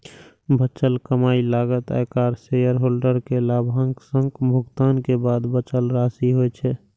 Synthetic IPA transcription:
bʱət͡ʃəlkəmaːilaːɡət̪a̰jkaːɾsejəɾɦoːlɖəɾkelabʱaŋksə̃ŋɡbʱʊɡt̪aːnkebad̪bət͡ʃəlɾasiɦot͡ʃʰɛ

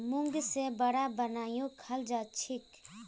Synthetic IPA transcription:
mʊ̃ŋɡsebəɽabənaːjõkʰəld͡ʒat͡ʃʰɪk

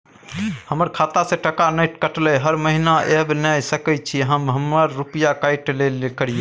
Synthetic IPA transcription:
həməɾkʰat̪asẽʈəkanəjʈkəʈlɛɦəɾməɦinaʔebnəjsəkət͡ʃʰiɦəmɦəmːəɾːupəjakajʈlelkəɽ̤ije

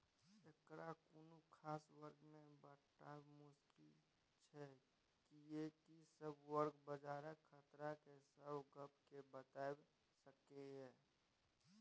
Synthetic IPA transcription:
ekɾakunukʰaːswəɾɡmẽbəʈaːbmʊskɪl | t͡ʃʰɛ | kijekisəbwəɾɡbəd͡ʒaːɾəkkʰət̪ɾakesəbɡəp̚kebət̪aːeb | səkeɦɛː

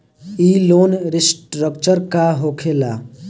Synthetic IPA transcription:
iloːnɾisʈɾəkt͡ʃəɾkaɦokʰela̰

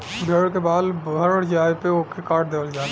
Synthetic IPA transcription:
bʱeɽkebaːlbəɾɽd͡ʒaːepeokekaːɾʈ̚d̪eːbəld͡ʒaː

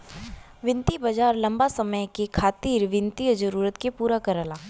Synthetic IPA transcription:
ʋɪ̃nt̪ibəd͡ʒaːɾlɐ̃mbasɐməjkekʰaːt̪iːɾʋɪnt̪ijd͡ʒəɾuːɾət̪kepuːɾakəɾəlaː

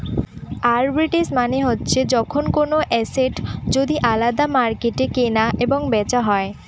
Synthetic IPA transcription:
aɾbɾiʈesmaneɦotːɕʰed͡ʑɔkʰonkonoʔɛseʈd͡ʑod̪iʔalad̪amaɾkeʈekenaʔeboŋbɛt͡ɕaɦɔe

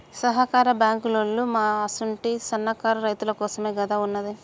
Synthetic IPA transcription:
sɐɦɐkaːɾɐbjaːŋkulolːumaːɐsuɳʈisɐnːɐkaːɾɐɾɐjt̪ulɐkɔːsɐme̞ːɡɐd̪aːunːɐd̪i

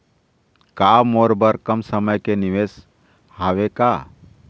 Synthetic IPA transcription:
kamoɾbəɾkəmsəməjkeniʋes | haweka

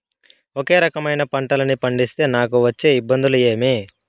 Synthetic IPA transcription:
oke̞ːɾɐkɐmɐjnɐpɐɳʈɐlɐnipɐɳɖist̪e̞ːnaːkuʋɐt͡ʃːe̞ːibːɐnd̪ulue̞ːmi

